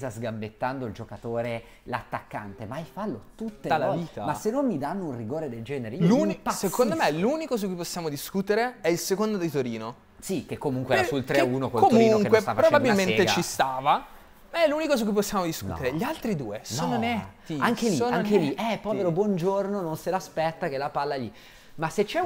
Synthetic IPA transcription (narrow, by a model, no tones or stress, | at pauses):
zazɡambet̪ːand̪oild͡ʒokat̪oːɾe | la̰t̪ːakːa̰nt̪emaajfalːot̪ut̪ːealaviːt̪amasenːomːid̪anːounriɡoːɾed̪eld͡ʒɛːneɾelunsekond̪omeluːnikos̬ukːujposːjaːmod̪iskut̪eɾeɛilsekond̪od̪it̪oɾiːno | sikekːomuŋkweɛasult̪ɾeuːnokkokːotmɾuinŋkwet̪afapɾobɛbab̪ilmeneat͡ʃist̪aːva | maɛlːuːnikos̬ukːuiposːjaːmod̪iskṵt̪eɾeʎialt̪ɾid̪ṵːesoːnonɛt̪ːiaŋkeioːnaoŋkeliɛpːɔːveɾobwɔnd͡ʒornononselaspɛt̪ːakelapalːali | maset͡ʃːɛ